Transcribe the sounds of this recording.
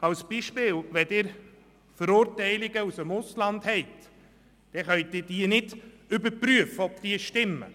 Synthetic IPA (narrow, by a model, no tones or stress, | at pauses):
ɑlsb̥iʃpɪːlʋɛd̥̪ɪɾ | fəɾʊːɾtɛɪlɪɡ̥əusəmʊslɑnd̪hɛɪt | d̥ɛχœʏtɪd̥iənɪd | ʏbəɾpɾyəfəɔpt̪iːʃtɪmːə̰